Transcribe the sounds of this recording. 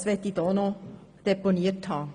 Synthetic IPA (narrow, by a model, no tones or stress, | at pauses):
sʋɛtːid̥oːno | d̥eponiəthɑː